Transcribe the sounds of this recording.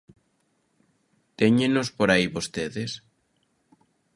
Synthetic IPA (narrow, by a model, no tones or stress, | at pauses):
t̪eɲẽnospoɾaiβost̪eðes